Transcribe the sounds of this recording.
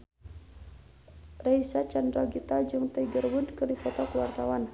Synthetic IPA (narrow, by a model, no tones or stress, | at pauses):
rajsat͡ʃandɾɔɡit̪ad͡ʒɨŋt̪əɡərwudkərdifɔt̪ɔkwart̪awan